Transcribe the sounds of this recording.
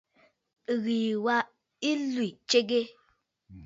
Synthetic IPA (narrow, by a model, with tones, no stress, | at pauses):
ɣi˨wa˦ | i˦lwi˨t͡ʃe˦ɡe˦